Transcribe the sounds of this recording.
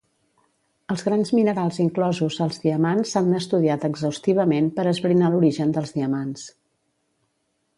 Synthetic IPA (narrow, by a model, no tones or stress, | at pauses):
əlˠzɣɾanzminəɾalˠziŋklɔzuzəlˠzðiəmansːanəst̪uðiat̪əɡzəwst̪iβ̞əmenpəɾəzβɾinaluɾiʒənd̪əlˠzðiəmans